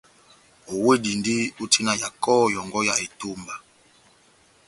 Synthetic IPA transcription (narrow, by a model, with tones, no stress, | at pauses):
o˨we˦di˨ndi˦u˦tʰi˦na˨ja˨kɔ˦˨jɔ˨ŋɡɔ˦ja˨e˨to˦mba˨